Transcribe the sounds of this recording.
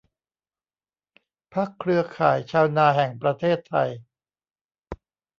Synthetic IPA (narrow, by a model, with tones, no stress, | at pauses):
pʰa˦˥˩kʰɾɯ˧ɐkʰaː˩˦jt͡ɕʰaː˧wnaː˧ɦɛ˨˩ŋpɾa˧t̪ʰeː˥˩t̪ʰːa˧j